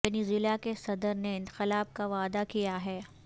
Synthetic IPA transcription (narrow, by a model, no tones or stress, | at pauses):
ɐniːziːlakesɐd̪əɾneɪ̃nqɪlaːb̚kaʋaːd̪akijaɦɛː